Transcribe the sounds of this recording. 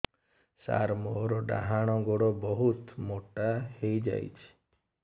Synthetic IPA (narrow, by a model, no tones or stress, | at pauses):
sa̰ɾmɔɾɔɖa̰ɦaɽ̃ɔɡoɽɔbɔɦut̪moʈahejd͡ʒa̰jt͡ʃʰi̥